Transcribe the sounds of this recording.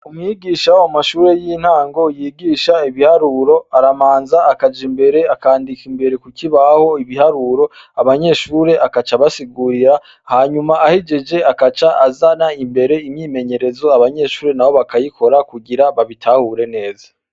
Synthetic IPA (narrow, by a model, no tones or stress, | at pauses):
umŋiɡiːʃaamaʃuːɾe̞jin̥haːŋɡo̞jiːɡiːʃaiβihaɾuɾo̞aɾamaːnzaːkad͡ʒimbe̞ɾe̞akaːndikimbe̞ɾe̞kukiβaho̞iβihaɾuɾo̞ | aβaɲe̞ʃuːɾe̞ʔakat͡ʃaβasiɡuɾiɾa | haːɲumaʔahid͡ʒe̞d͡ʒe̞akat͡ʃaazanaimbe̞ɾe̞imɲiːme̞ɲe̞ɾe̞zo̞aβaɲe̞ʃuːɾe̞nawo̞βakajikʰo̞ɾakuɡiɾaβaβitʰahuɾe̞ne̞ːza